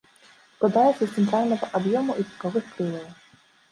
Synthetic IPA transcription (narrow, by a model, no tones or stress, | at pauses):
sklˠad̪ajɛt̪sʲɐst̪sɛnt̪ɾalʲnɐɣɐʔabjɔmuʔit̪ʲi̥kavɨxpɾɨlɐjˠɐw